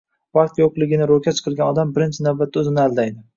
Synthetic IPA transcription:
vɑqt̪joqlˠɪɡʲɪnɪɾokʲat̪t͡ʃʰɨ̥qʰɨɾˠɡʲanɒd̪ambɪɾɪnt͡ʃʰɪnavbat̪ʰːaɵzɪnɪalˠd̪ajd̪ɪ

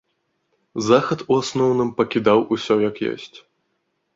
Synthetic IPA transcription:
zaxɐt̪uasnɔwnɨmpɐkʲid̪awʔusʲɔjɐkjɔ̰sʲt͡sʲ

